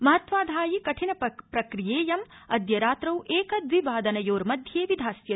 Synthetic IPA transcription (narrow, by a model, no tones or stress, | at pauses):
mɐɦɐt̪ʋaːd̪ʱaːjikɐʈʰinɐpɾɐkɾijeːjɐmɐd̪jɐɾaːt̪ɾɐwʔeːkɐd̪ʋibaːd̪ɐnɐjoːɾmɐd̪ʱjeːʋid̪ʱaːsjɐ